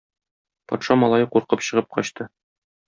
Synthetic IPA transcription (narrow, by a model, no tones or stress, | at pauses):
pɒ̰t̪ʃɑmɒlˠɑjɤquɾqɤpɕɤ̆ʁɤp̚qɒɕt̪ɤ